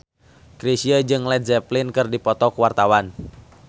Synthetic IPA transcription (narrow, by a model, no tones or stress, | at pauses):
ɡɾisiəd͡ʒɨŋlɛt̪zɛplinkɨrdipɔt̪ɔkuwart̪awan